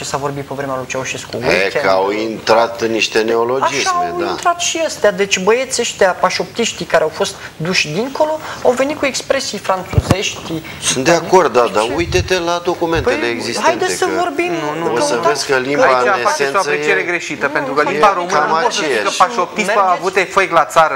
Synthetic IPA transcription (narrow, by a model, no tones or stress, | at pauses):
t͡ʃesavo̞rbit̪̚pevɾemealujt͡ʃeawuʃeskueekawint̪ɾat̪niʃt̪e̞neolo̞ad͡ʒisamaewia̰nt̪ɾat̪ʃiəst̪ead̪e̞t͡ʃʲbəjet̪seʃt̪eapaʃo̞p̚t̪iʃt̪ikaɾeawfo̞st̪ | d̪uʃʲd̪iŋko̞lo̞a̰wve̞nit̪kuekspɾesijfɾant̪suze̞ʃt̪i | sɨnt̪d̪eakko̞rd̪̚d̪ad̪aujt̪et̪elad̪o̞kume̞np̪eleːɡzisthajedneesəvo̞rbimmnunuosəveskəlimaaeasenoasɾet͡ʃieɾeɡɾe̞ʃit̪əpent̪ɾukəlimbaɾomɨkɨanmat͡ʃejakəʃpaʃop̪̚iseaavut̪efejklat̪saɾə